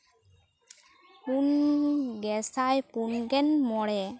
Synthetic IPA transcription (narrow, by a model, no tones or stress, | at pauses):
punɡɛsajpunɡɛnmɔɽɛ